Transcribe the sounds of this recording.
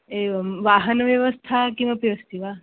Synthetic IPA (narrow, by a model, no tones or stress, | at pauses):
eʋaɦənʋjeʋəst̪ʰakĩapiəst̪iʋa